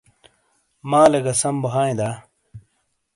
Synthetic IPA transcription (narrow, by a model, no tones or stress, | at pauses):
maːlɐɡɐsɐmbɐɦaːẽd̪aː